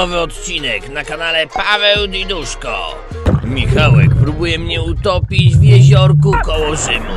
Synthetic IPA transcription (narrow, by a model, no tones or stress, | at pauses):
ɔvɘɔt̪t͡ɕinɛknakanalɛpavɛwd̪id̪uʂkɔ̰ | mʲixawɛk̚pɾubujɛmɲɛut̪ɔpʲid͡ʑvʲjɛʑɔɾkukɔwɔʐɘmu